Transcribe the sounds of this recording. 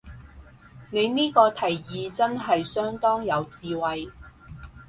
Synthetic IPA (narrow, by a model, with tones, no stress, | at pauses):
ne˨˧jniː˥kɔː˧t̪ʰɐ˨˩jːiː˨˧t͡sɐ˥nɦɐ˨jsœː˥ŋt̪ɔː˥ŋjɐ˨˧wt͡siː˨˧wɐ˨j